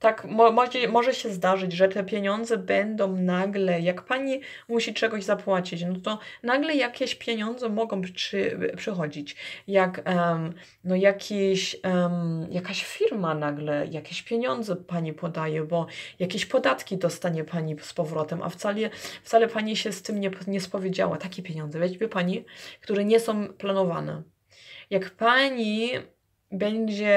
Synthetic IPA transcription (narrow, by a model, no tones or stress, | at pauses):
t̪akmɔmɔd͡ʑɛmɔʐɛɕɛzd̪aʐɘd͡ʑʐɛt̪ɛpʲjeɲɔnd̪zɛbɛnd̪ɔ̃w̃naɡlɛjakpaɲi | muɕit͡ʂɛɡɔʑzapwat͡ɕit͡ɕnɔt̪ɔnaɡlɛjakʲɛɕpʲjeɲɔnd̪zɛmɔɡɔ̃w̃pʂɘpʂɛxɔd͡ʑit͡ɕjak | nɔjakʲʰiɕmjakaɕfʲiɾmanaɡlɛjakʲeɕpʲjeɲɔnd̪zɛpaɲipʰɔd̪ajɛbɔjakʲeɕpɔd̪at̪kʲid̪ɔst̪aɲɛpʰaɲispɔvɾɔt̪ɛmʔa̰ft̪salɛft̪salɛpaɲiɕɛst̪ɘmɲɛpɲɛspɔvʲjed͡ʑa̰wa̰t̪akʲɛpʲjeɲɔ̃nd̪zɛvaivʲɛpaɲikt̪uɾɛɲɛsɔ̃w̃planɔvanɛ̰ | jakpaɲi | bɛɲd͡ʑɛ